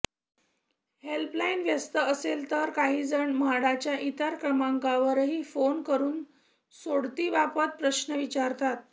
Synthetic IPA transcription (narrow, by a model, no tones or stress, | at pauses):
helplainʋjəst̪əəselt̪əɾkaɦiːd͡zəɳmaɽat͡ɕjaʔit̪əɾkəmaŋkaʋəɾɦiːfonkəɾuːn | soɽt̪iːʋapət̪̚pɾəɕnəʋit͡ɕaɾt̪at̪̚